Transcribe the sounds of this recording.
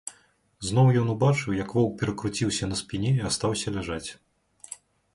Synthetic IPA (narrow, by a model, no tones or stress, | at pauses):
zn̪ɔwjɔnubat͡ʂɨwjɐkvɔwk̚pʲɛɾɐkɾut͡sʲiwsʲɐnɐspʲinʲɛast̪awsʲɐlʲaʐat͡sʲ